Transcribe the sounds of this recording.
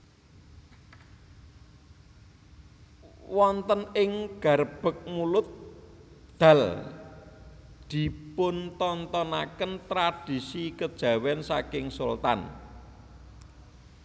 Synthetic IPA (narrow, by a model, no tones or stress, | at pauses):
wɔnt̪ənɪŋɡ̥a̤ɾəb̥ə̤k̚mulʊt̪̚ | d̪̥a̤l | d̪̥i̤pʊnt̪ɔnt̪ɔnakənt̪ɾad̥isikəd̥ʒ̥ä̤wɛnsakɪŋsult̪a̰n